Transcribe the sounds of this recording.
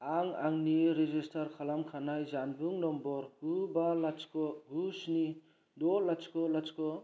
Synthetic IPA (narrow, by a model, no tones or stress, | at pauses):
aŋaŋniɾezistaɾkʰalamkʰanajzanbuŋnɔmbɔɾɡubalat͡ʃkɔɡusni | dɔlat͡ʃkɔlat͡ʃkɔ